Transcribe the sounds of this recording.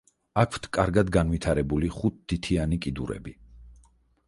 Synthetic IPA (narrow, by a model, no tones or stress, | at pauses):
akʰwt̪ʰkʼaɾɡad̪ɡanvit̪ʰaɾɛbuliχut̪̚d̪̥it̪ʰianikʼid̪uɾɛ̰bi